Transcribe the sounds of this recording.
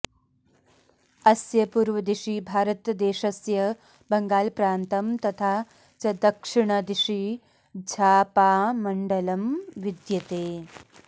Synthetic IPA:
ɐsjɐpuːɾʋɐd̪iʃibʱaːɾɐt̪d̪eːʃɐsjɐ | bɐŋɡaːlpɾaːnt̪ɐmt̪ɐt̪ʰaː | t͡ʃɐd̪ɐkʂiɳɐd̪iʃi | d͡ʒʱaːpaːmɐɳɖɐlɐmʋid̪jɐt̪eː

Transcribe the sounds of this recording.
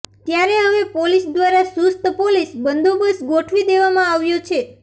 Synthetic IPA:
t̪jaɾeɦəʋepolisd̪ʋaɾasust̪ʰəpolisbənd̪obəsɡoʈʰʋid̪eʋamãaʋjot͡ʃʰe

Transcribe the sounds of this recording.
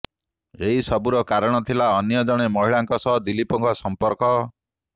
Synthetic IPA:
eɦisɔbuɾɔkaɾɔɽ̃ɔt̪ʰilaɔnjɔd͡ʒɔɽ̃emɔɦiɭaŋkɔsɔɦd̪ilipɔŋkʰɔsɔmpɔɾkɔ

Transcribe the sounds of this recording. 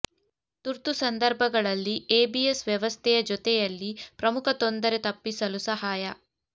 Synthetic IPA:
t̪uɾt̪usɐnd̪ɐɾbʱɐɡɐɭɐlːieːbiesʋjɛʋɐst̪ʰɛjɐd͡ʒɔt̪ɛjɐlːipɾɐmukʰɐt̪ond̪ɐɾet̪ɐpːisɐlusɐɦaːjɐ

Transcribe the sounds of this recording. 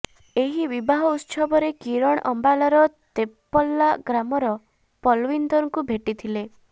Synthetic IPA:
eɦibibaɦɔut̪sɔbɔɾekiɾɔɽ̃ʔɔmbalɔɾɔt̪epːɔlːaɡɾamɔɾɔ | pɔlwind̪ɔɾɔŋkubʱeʈit̪ʰile

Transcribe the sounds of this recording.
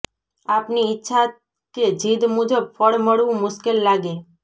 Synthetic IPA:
apniɪtːʃʰa | ked͡ʒʱid̪mũd͡ʒəb̚fʰəɽməɽʋũmʊʃkelːaɡe

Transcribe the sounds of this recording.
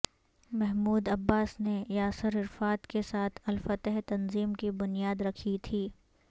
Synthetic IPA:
mɛɦmuːd̪ɐbːaːsnejaːsəɾɪɾfaːt̪kesaːt̪ʰɐlfɐt̪əɦt̪ɐnziːmkibʊnijaːd̪ɾɐkʰit̪ʰiː

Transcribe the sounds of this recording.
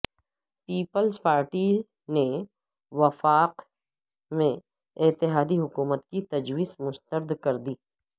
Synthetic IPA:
piːpəlzpaːɾʈi | ne | wɐfaːq | mẽ | ɪt̪ɪɦaːd̪iɦʊkuːmət̪kit̪ɐd͡ʒwiːzmʊst̪əɾd̪kɐɾd̪iː

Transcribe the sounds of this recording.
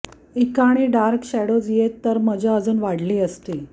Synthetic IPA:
ikaɽ̃iːɖaɾkɕɛɽod͡zjet̪ːəɾməd͡ʑʱaəd͡zuːnʋaɽliːəst̪e

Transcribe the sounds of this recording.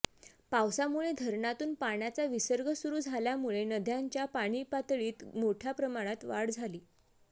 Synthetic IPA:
pawsamuɭed̪ʱəɾɳat̪uːnpaɳjat͡saʋisəɾɡʱəsuɾuːd͡zʱaljamuɭenəd̪ʱjaɲt͡ɕjapaɽ̃iːpat̪ɭiːt̪moʈʰjapɾəmaɽ̃at̪ʋaɽd͡zʱaliː

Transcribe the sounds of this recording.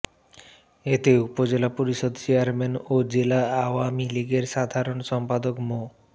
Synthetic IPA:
et̪eupod͡ʑelapoɾiʃod̪t͡ɕeaɾmenod͡ʑelaawamiliɡeɾʃad̪ʱaɾonʃɔmpad̪okmo

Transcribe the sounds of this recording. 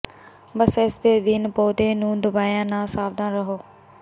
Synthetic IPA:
bəsɪsd̪eːd̪ɪnpoːd̪eːnũːd̪ʊbaːjãːnãːsaːbd̪ãːɾəɦoː

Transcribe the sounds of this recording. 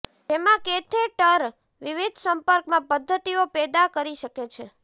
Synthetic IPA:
d͡ʒemãket̪ʰeʈəɾ | ʋiʋid̪ʱsəmpəɾkmãpəd̪ʱːət̪iopɛd̪akəɾiʃəket͡ʃʰe

